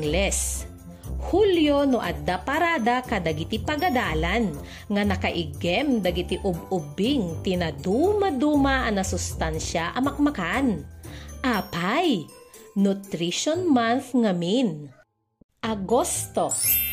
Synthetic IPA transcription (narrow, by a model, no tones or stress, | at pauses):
lɛs | huljonoʔɐd̪apɐɾad̪akɐd̪ɐɡɪt̪ɪpɐɡɐd̪aːlan | ŋɐnɐkɐʔɪɡɛmd̪ɐɡɪt̪ɪʔʊb̚ʊbɪŋt̪ɪnɐd̪uːmɐd̪uːmɐʔɐŋnɐsʊst̪anʃaʔɐmɐk̚mɐkanʔapajnʊt̪ɾiʃonmanθŋɐmin | ʔɐɡost̪o